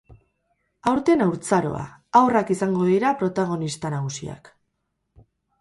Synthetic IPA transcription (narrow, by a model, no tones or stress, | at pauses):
awɾt̪e̞nawɾt͡saɾo̞̰a̰awrakisaŋɡo̞ðiɾapɾo̞t̪aɣ̞o̞nist̪anaɣ̞usia̰k